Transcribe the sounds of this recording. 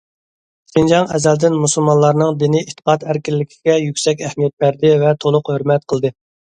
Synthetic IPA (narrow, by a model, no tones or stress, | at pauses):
sind͡ʒɑŋɛzæld̪ɪnmusulˠmɑnlˠɑɾnɨŋd̪ɪniet̪ʰːə̥qɑt̪hæɾkʲilːɪkʲʰiɡ̥ʲɛjykʲsɛkʲæhmijɛt̪̚bæɾd̪ɪvɛt̪ʰolˠʊqhøɾmɛt̪̚qʰəlˠd̪ɨ